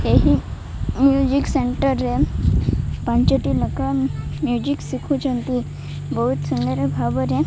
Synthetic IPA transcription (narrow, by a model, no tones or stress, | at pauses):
eɦi | mjud͡ʑikseɳʈəɾe | pãɲt͡ɕeʈiləkamjud͡ʑiksikʰũt͡ɕənt̪i | bəɦut̪sund̪əɾəbʱabəɾẽ